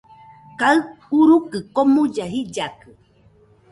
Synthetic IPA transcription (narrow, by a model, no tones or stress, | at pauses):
kaɨ | uɾukɨkomũd͡ʒaɦid͡ʒakɨ